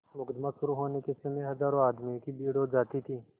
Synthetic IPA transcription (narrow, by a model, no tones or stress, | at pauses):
mʊɡd̪mãʃʊɾuɦoːnekesɐmeɦɐzaːɾõaːd̪mĩkibiːɽod͡ʒaːt̪it̪ʰiː